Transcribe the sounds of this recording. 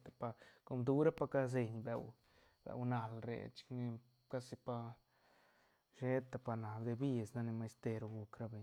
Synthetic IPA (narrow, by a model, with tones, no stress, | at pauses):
t̪a˨pa˧ko˧md̪u˧ɾa˦pa˧ka˦z̬e˧ɲbe˨w | bḛ˨wna˨lɾḛ˨t͡ʃi̥˧kni˧ | ka˦si˧pa˧ | ʃe˦t̪a˨pa˧na˨bd̪e˧bi˦˧˨sna˦˧ne˧ma˧jst̪e˧ɾo˧ɡu˧kɾa˦be˨ɲ